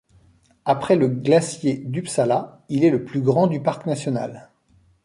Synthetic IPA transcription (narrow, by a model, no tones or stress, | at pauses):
apχɛləɡlasjed̪ypsala | ilɛləplyɡʁɑ̃d̪ypaʁknasjɔna̰l